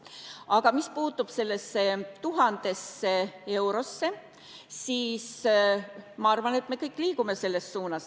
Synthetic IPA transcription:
ɑɡ̥ɑmispuːt̪ːub̥se̞lːesːet̪uɦɑnd̪̥e̞sːee̞wɾo̞sːe̞ | siːs | mɑɑrvɑne̞t̪me̞kɤjkːˑliːɡ̥ume̞se̞lːe̞st̪suːnɑs

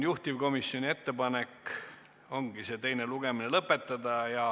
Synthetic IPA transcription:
juht̪ivko̞misjonʲie̞t̪ːe̞pɑnek | o̞ŋɡ̥ise̞t̪e̞jne̞luɡ̥e̞mine̞lɤpːˑe̞t̪ːˑɑd̪̥ɑjɑ

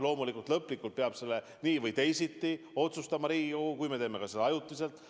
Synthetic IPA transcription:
lo̞ːmulikult̪lɤpːˑlikːult̪̚peɑb̥se̞lːe̞ | niːvɤjt̪e̞jsit̪ːi | o̞t̪sust̪ɑmɑɾiːukujme̞t̪eːme̞kɑsed̪ɑɑjut̪ːˑise̞lt̪ˑ

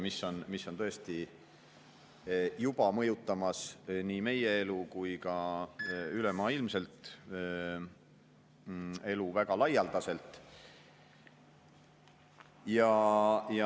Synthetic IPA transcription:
misːo̞nmisːo̞nt̪ɤ̞est̪i | jub̥ɑmɤjut̪ːˑɑmɑsniːme̞je̞e̞lukujkɑ | ylemɑːilmse̞lt̪ˑ | e̞luvæɡ̥ɑlɑjɑld̪̥ɑse̞lt̪ˑ | jɑjɑ

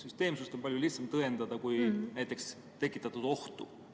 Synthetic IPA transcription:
syst̪e̞ːmsust̪ompɑljuliht̪sɑmt̪ɤend̪ɑd̪̥ɑkujnæjt̪ːˑe̞ks | t̪e̞kːˑit̪ːˑɑt̪ːˑud̪̥o̞ht̪ṵ

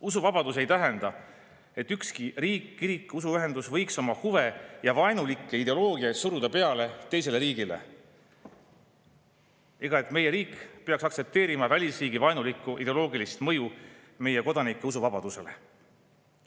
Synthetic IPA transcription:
usuvɑb̥ɑd̪̥us̬e̞jt̪æɦend̪̥ɑ | e̞t̪ːykskiriːkːiɾikːˑusuyɦe̞nd̪usvɤjkso̞mɑhuve̞jɑvɑenulikːˑeid̪e̞o̞lo̞ːɡiɑjt̪suɾud̪̥ɑpe̞ɑle̞t̪e̞js̬e̞le̞ɾiːɡ̥ile̞̰ | e̞ɡ̥ɑe̞t̪ˑme̞je̞ɾiːkˑpe̞ɑksɑkse̞p̚t̪e̞ːɾimɑvælʲisriːɡivɑjnulikːˑuʔid̪elo̞ːɡilist̪mɤ̞ju | me̞jeko̞d̪̥ɑnikːˑeusuvɑb̥ɑd̪̥use̞̰le̞̰

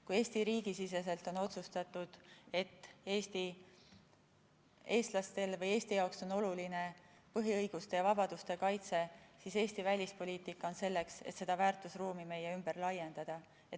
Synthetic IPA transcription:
kuje̞ːsʲt̪iɾiːɡ̥isise̞se̞lt̪o̞no̞t̪sust̪ɑt̪ːˑud̪̥e̞t̪ːe̞ːst̪i | e̞ːst̪lɑst̪e̞lvɤje̞ːsʲt̪ijɑokso̞no̞luline̞ | pɤɦiɤjɡ̥ust̪e̞jɑvɑb̥ɑd̪̥ust̪e̞kɑjt̪se̞sise̞ːsʲt̪ivælʲispo̞lʲiːt̪ˑikːˑɑo̞nse̞lːe̞kset̪se̞d̪̥ɑvæːrt̪ˑusruːmime̞jeymb̥e̞rlɑje̞nd̪̥ɑd̪̥ɑ | e

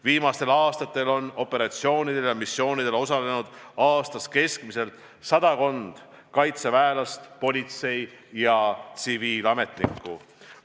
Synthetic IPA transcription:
viːmɑst̪e̞lɑːst̪ɑt̪ːˑe̞lo̞no̞pːe̞ɾɑt̪sio̞ːnid̪̥e̞ljɑmisːjo̞ːnid̪̥e̞lo̞sɑle̞nud̪̥ɑːst̪ɑske̞skmise̞lt̪ | sɑd̪ɑko̞nd̪̥ | kɑjt̪sevæelɑst̪po̞lʲit̪se̞jjɑt̪siviːlɑme̞t̪ˑnikːˑṵ

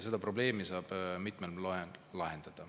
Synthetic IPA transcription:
se̞d̪̥ɑpro̞ble̞ːmisɑːb̥mit̪ˑmellɑenlɑɦend̪̥ɑd̪̥ɑ

